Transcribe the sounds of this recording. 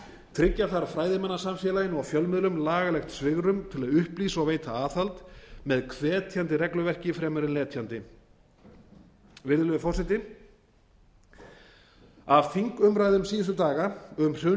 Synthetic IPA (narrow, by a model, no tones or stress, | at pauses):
t̪ʰɾɪcːaθaɾafɾaːjðɪmɛnːasamfjɛːlajɪnɔɣfjœlmɪðlʏmlaːɣalɛxt̪svɪɣɾʏmt̪ʰɪlaðʏhpliːsawveːjt̪ʰaaːθalt̪mɛðkʰvɛːt̪ʰjant̪ɪɾɛklʏvɛr̥cɪfɾɛːmʏɾɪnlɛːt̪ʰjant̪ɪ | vɪɾðʏlʏðʏfɔr̥sɛjt̪ɪ | avfiŋkʏmɾaːjðʏmsiːðɪst̪ʏt̪aːɣaʏmr̥ʏː